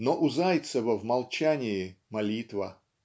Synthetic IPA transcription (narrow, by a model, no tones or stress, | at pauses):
noʔʊzajt̪səvəvmɐlˠt͡ɕanʲɪjɪmɐlʲit̪və